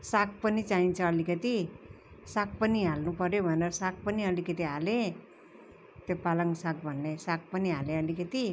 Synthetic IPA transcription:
sak̚pʌnit͡saint͡sʰʌːlikʌt̪i | sak̚pʌniɦalnupʌɾjobʱʌneɾsak̚pʌniʌlikʌt̪iɦale | t̪epalaŋsaɡ̚bʱʌnːesak̚pʌniɦalẽʌlikʌt̪i

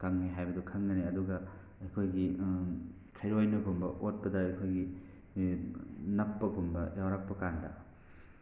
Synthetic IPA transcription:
kaŋniɦajbɐdukʰɐmnɐniɐduɡɐ | ɐjkʰojɡi | kʰajɾojnɐɡumbɐʔot̚pɐdɐɐjkʰojɡi | nɐpːɐɡumbɐ̰jawɾak̚pɐkandɐ̰

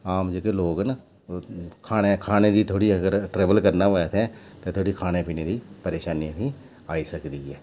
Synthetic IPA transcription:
aːmd͡ʒeːkeloːɡn | kʰaːneːkʰaːneːd̪iːt̪ʰoːɽiːəɡəɾʈɾɛːʋəlkəɾnaːʋəet̪ʰɛ̃ːt̪eːt̪ʰoːɽiːkʰaːneːpiːneːd̪iːpəɾeːʃaːnijãːĩː | aːiːsəkd̪iːɦɛː

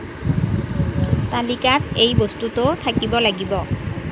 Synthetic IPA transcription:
talikatejbostutʊt̪ʰakibɔlaɡibɔ

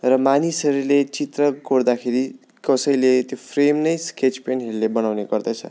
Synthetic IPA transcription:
rʌmanisʌɾulet͡sit̪rʌkoɽd̪akʰeɾi | kʌsʌjlet̪jopʰremnʌjsket͡spenɦeɾulebʌnawneɡʌrd̪ʌjt͡sʰʌ̰

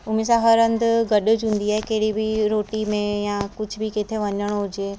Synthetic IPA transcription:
ʊmẽsãɦɐɾə̃nd̪ʊɡɐɗʊ̆d͡ʑɦũːn̆d̪iaːɦekɐɦɪɽibɪɾoːʈimẽjãkʊd͡ʑʱʊbʱɪket̪ʰeʋɐɲəɽ̃ɦʊd͡ʑeː

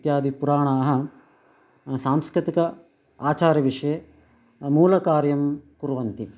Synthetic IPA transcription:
t̪jaːd̪ʱipuɾaːɳaːɐɦɐ̆ | saːmskɾit̪ikɐ | aːt͡ʃaːɾɐʋiʂɐje | muːlɐkaːɾjɐmkuɾuʋɐnt̪i

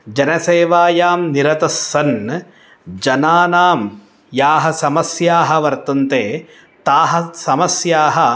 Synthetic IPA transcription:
d͡ʒɐnɐseːʋaːjaːmniɾɐt̪ɐsːɐn | d͡ʒɐnaːnaːm | jaːɦɐsɐmɐsjaːɦɐ̆ʋɐɾt̪ɐnt̪eː | t̪aːɦɐ̆sɐmɐsjaːɦɐ

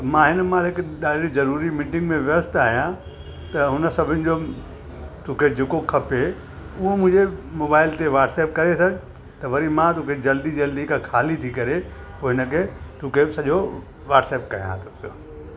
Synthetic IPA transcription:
mãɦɪnəmãɦɪkɗaːɖizɐɾuːɾimiːʈɪ̃ŋɡmẽʋʋəst̪aːɦijã | t̪ɐɦʊnə̆sɐbʱɪnɪ̆d͡ʑo | t̪ũːkʰed͡ʑeːkokʰɐpe | ʊɦomʊ̃ɦɪ̃ɲd͡ʑemoːbaːɪlt̪eʋaːʈsɛːp̚kɐɾesɐɡɪ | t̪ɐʋɐɾimãt̪ũːkʰed͡ʑɐld̪id͡ʑɐld̪ikakʰaːlit̪ʰikɐɾe | poːɦɪnəkʰet̪ũːkʰesɐʄo | ʋaːʈsɛːp̚kɐjã̰t̪opjo̰

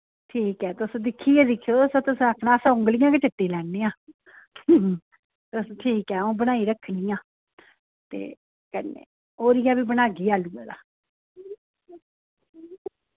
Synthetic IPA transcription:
ʈʰiːkɛːt̪ʊsõːd̪ɪkʰːiːɛːd̪ɪkʰːijoːsõːt̪ʊsəkʰnaːsãːʊ̃ŋɡlɪjãːkɪʈəʈːiːlɛːnːeːãː | t̪sːʈʰiːkɛːõːbənaːiːɾəkʰːniːãː | t̪ḛː | kənːḛː | oːɾɪjãːbiːbənaːɡiːaːluːɛːd̪aː

